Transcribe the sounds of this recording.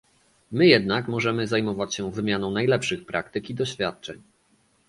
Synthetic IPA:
mɘjɛd̪̚nakmɔʐɛmɘzajmɔvat͡ɕɕɛvɘmʲjanɔ̃w̃najlɛpʂɘxpɾʔakt̪ɘkʲid̪ɔɕfʲjat̪̚t͡ʂɛ̰ɲ

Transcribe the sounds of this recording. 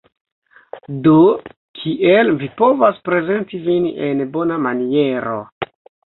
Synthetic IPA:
do | kʰiʔelvipo̞vaspɾe̞ze̞ntivinenbo̞namanie̞ɾo̞̰

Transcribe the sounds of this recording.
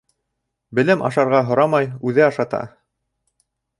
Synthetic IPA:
bɘ̆lɘmʔɑ̰ʃɑɾʁɑɦŏɾɑmɑjʉðɘɑʃɑt̪ɑ̰

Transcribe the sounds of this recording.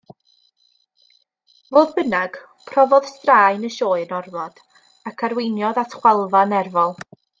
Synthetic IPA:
voːðbənaɡ̥ | pʰrɔvɔð̥straːjnəʃoːɨnɔrvɔd̥ | akʰaɾwejnjɔðatʰχwɛlˠvanɛrvɔlˠ

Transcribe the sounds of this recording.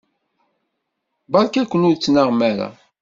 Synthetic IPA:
bɑɾˤkækʷːənʊðt͡sːnəʁmæɾæ̰

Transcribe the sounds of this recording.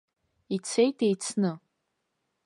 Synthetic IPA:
it͡sʰejtʼejt͡sʰnɨ

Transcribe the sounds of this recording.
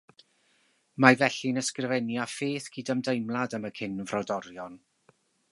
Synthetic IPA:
mavɛɬinəskrɪvɛnjafeːθɡ̥ʰiːdəmdejmlˠadəməkʰɪnvrɔdɔɾjɔn

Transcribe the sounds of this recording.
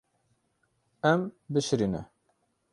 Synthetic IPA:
ɛmbɨʃɾiːnɛ̰

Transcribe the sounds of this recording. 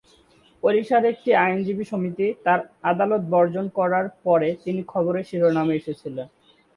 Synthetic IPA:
poɾiʃad̪ek̚ʈiajnd͡ʑibiʃomit̪it̪aɾad̪alot̪̚bɔɾd͡ʑonkɔɾaɾpɔɾet̪inikʰɔboɾeʃiɾonameeʃet͡ɕʰilen

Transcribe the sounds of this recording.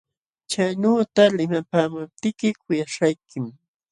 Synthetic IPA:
t͡ʃajnoːt̪alɪmapaːmʊp̚t̪ɪkɪkʊjaʃajkɪm

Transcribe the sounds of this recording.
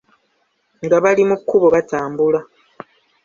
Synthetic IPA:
ŋɡaβalimukːuβoβataːmbula

